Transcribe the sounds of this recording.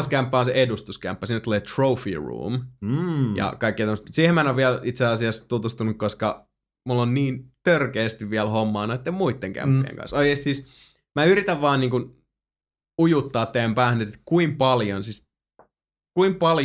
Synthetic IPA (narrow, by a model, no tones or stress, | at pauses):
skæmpːæonseʔedust̪uskæ̰mpːæsiːnːt̪uleːt̪roufḭrṵːm | jɑ̰kɑikːit̪æməst̪msiːhemæenoʋʋiælit̪seɑsiɑst̪ut̪ust̪unukkoskɑ | mulːonniːnt̪ørkeːst̪iʋʋiælhomːɑːnoet̪ːemmuit̪ːeŋkæ̰mpːḛːŋkɑ̰nsoikeːˑst̪siːs | mæyɾit̪æʋʋɑːnniːŋkun | ujut̪ːɑːt̪ːeæmpæːhnːet̪et̪kuimpɑljonsis | kuimpɑl